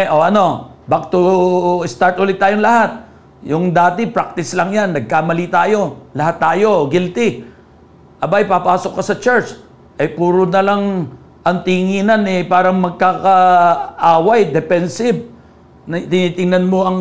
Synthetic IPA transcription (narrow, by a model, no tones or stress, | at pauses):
ʔoɐno̞bak̚t̪oɪst̪aɹt̪ʔʊlɪt̪ːaːjoŋlɐhat̪̚ | jʊŋd̪aːt̪ɪpɾak̚t̪ɪslɐŋjanːɐɡ̚kaːmɐlit̪aːjo̞lɐhat̪ːaːjo̞ɡɪlt̪ɪ | ʔɐbaɐjpapaːsokːɐsɐt͡ʃɛɹt͡ʃ | ʔɐjpuːɾonɐlaŋ | ʔɐŋt̪ɪŋiːnɐnɛpaːɾɐŋmɐɡ̚kakɐʔaːwajd̪ɛpɛnsɪb̚ | nɐt̪ɪniːt̪ɪŋnɐnmo̞ʔɐŋ